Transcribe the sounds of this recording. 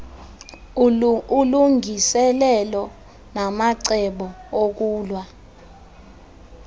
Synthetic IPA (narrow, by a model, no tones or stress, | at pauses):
uluŋʱisɛlɛlɔ | namaǀɛɓɔok̬uːlwa